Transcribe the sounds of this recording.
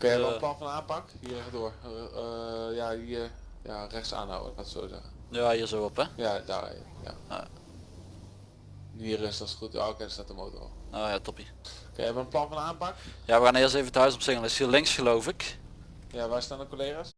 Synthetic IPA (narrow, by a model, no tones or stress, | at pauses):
kanjɛɛləplɑnfɔndaːnpakhiərɛxdoəɹ | jaiər | jarɛxtsa̰ːnha̰wə̰atso̰ːzɛ̰xə | jahiːəsowɔpɛjada̰ | ja̰ | niərɪsɔsχuto̰kɛnstatəmoːtro̰oːjatɔpi | ka̰njɛvɛlənplɑnfɔndaːnpakjaʋəkanɪəlˠseːvətœɥsɔpsɪŋənɪshiəlɪŋsxəlowfɪk | jaʋajstaːnəkoleːɣas